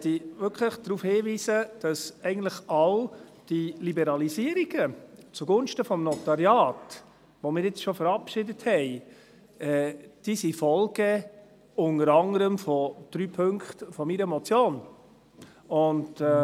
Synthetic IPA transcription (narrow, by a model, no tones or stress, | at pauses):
ɛt̪iʋʏkʰləχd̥ɾuːfhɪːʋiːsəd̥ɑsɛɪɡən̩tləχɑʊ | d̥ilibɛɾɑlisiːəɾiɡ̥ət͡suɡʊnʃtəfɔmnɔtɑɾjɑːt | ʋomɪːɾɪt͡sʃɔfəɾɑpʃɪdəthɛɪ | ɛd̥iːsifɔlɡə | ʊnəɾɑŋəɾəmfɔd̥ɾyːpʰɵŋkχtfɔmiɾəmɔt͡sjoːn | ʊnd